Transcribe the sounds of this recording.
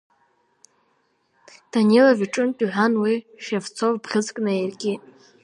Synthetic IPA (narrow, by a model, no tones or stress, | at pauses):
d̥anelaviʈ͡ʂʼɨntʼiħᶣʷanwiʃevt͡sʰovbʁʲɨzkʼnɨerkʲʼi